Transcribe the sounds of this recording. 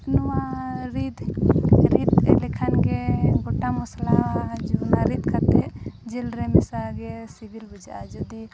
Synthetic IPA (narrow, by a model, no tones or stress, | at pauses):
nɔwaɾid̪ɾid̪lɛkʰankeɡɔʈamɔslaad͡ʒunaɾid̪kat̪ɛd͡ʒelɾɛmɛsaɡɛsibilbud͡ʒaad͡ʒud̪i